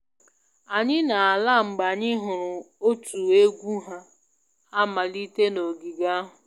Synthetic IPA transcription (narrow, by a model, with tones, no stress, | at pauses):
a˨ɲɪ˦na˨a˨la˦˨ŋ͡m̩˨ɡ͡ba˨ɲɪ˦ɦʊ˨ɾʊ˨ | o˦tu˨e˦ɡʷu˦ɦa˦ | a˦ma˨li˦te˦no˨ɡi˨ɡa˦ɦʊ˨